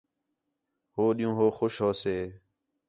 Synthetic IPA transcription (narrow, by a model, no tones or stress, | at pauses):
hoːɗijũːɦoːxʊʃɦoːseː